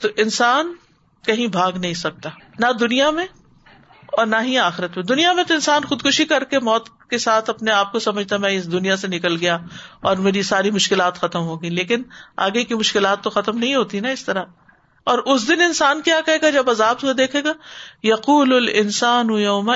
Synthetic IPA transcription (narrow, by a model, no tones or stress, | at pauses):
t̪oʔɪ̃nsaːn | kɐɦĩbʱaːɡnɐɦĩsɐk̚t̪anad̪ʊnijamẽ | ɔːɾnaɦĩaːxɪɾət̪mẽd̪ʊnijamẽt̪oɪ̃nsaːnxʊd̪kʊʃikɐɾkemɔːt̪ | kesaːt̪ʰɐpneaːp̚kosɐməd͡ʒʱt̪amɛ̃ɪsd̪ʊnijasenɪkəlɡɐjaɔːɾmeːɾisaːɾimʊʃkɪlaːt̪xɐt̪əmɦoːɡileːkɪna̰ːɡekimʊʃkɪlaːt̪ːoxɐt̪əmnɐɦĩɦoːt̪inaɪst̪ɐɾa | ɔːɾʔʊsd̪ɪnɪnsaːnkjaːkɐɦeːɡad͡ʒɐbɐzaːbsod̪eːkʰeːɡaːjɐquːlʊlɪnsaːnujɐʊma